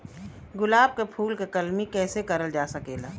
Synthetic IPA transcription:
ɡʊlaːb̚kepʰuːlkekɐlmikɛːsekɐɾəld͡ʒaːsɐkeːlaː

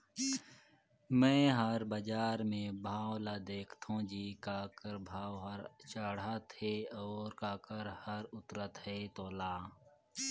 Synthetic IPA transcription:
mɛ̃ːɦɐɾbəd͡ʒaːɾmẽːbʱaːolaːd̪eːkʰt̪ʰõːd͡ʒiːkaːkəɾbʱaːwɦəɾt͡ʃaːɽaːt̪ʰeːɔːɾkaːkəɾhəɾʊt̪ɾət̪ɦeːt̪oːlaː

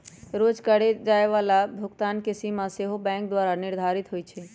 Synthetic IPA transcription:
ɾod͡ʒkəɽed͡ʒaːeʋalabʱʊɡt̪ankesimãseɦobɛ̃ŋk̚d̪waɾaniɾd̪ʱaɾit̪ɦojt͡ʃʰɛ

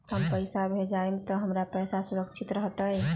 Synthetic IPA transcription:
həmpəjsabʱed͡ʒaumt̪ɔɦəmɾapəjsasuɾəkt͡ʃʰit̪ɾəɦt̪aɦɛ

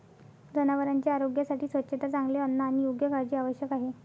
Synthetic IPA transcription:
d͡zənaʋəɾaɲt͡ɕjaaɾoɡjasaʈiːsʋətːɕet̪at͡saŋɡleənːaːñijoɡjəkaɾd͡ʑiːaʋəɕjəkaɦe

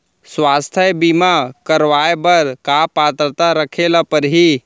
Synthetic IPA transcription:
swaːst̪ʰjəbimakəɾʋaebəɾkapaːt̪ɾət̪aɾəkʰelapəɾɦi

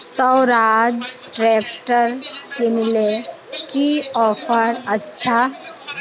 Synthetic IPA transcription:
sɔwɾad͡ʒ | ʈɾɛːpʈəɾkenile | kiɔːpʰəɾətːʃʰa

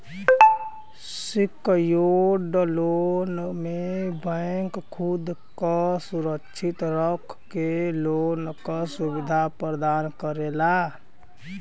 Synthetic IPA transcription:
sikjoɖlonmebəŋkkʰud̪kasuɾəkʃʰit̪ɾəkʰkːelonkasubid̪ʱapɾɾəd̪aːnkəɾela

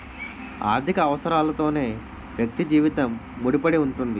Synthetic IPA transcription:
a̰ːɾd̪ʱikɐːʋɐsɐɾaːlɐt̪o̞ːne̞ː | ʋjɐk̚t̪id͡ʒiːʋit̪ɐmːuɽipɐɽiuɳʈund̪i

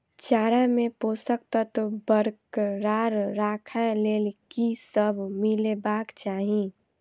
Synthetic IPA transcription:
t͡ʃaːɾamẽposək̚t̪ət̪bəɾkɾaːɾːaːkʰaleːlkisəbʱmilebaːkt͡ʃaːɦĩ

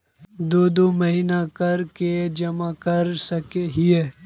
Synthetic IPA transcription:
d̪oːd̪oːmɐɦiːnakɐɾked͡ʒɐmakɐɾsɐkeɦieː

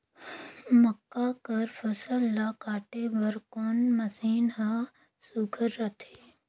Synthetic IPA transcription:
mɐkːakɐɾfʰɐsəlːakaːʈebəɾkoːnmɐsiːnɦa | sʊɡʰʱəɾːɐt̪ʰeː

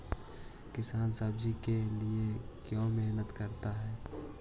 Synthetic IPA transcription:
kɪsaːnsəbd͡ʒikeliekjõːmɛɦnət̪kəɾt̪aɦɛː

